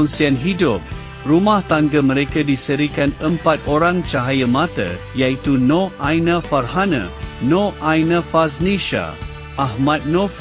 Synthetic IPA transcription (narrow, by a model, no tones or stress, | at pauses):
unsianɦidʊp̚ | rumãht̪aŋɡəmə̃ɾekadisəɾikanəmpat̪oɾãŋt͡ʃaɦajəmãt̪ə̰ | jait̪unoʔajnafarhanã̰noʔajnafasniʃa̰ | ʔaɦmãt̪̚no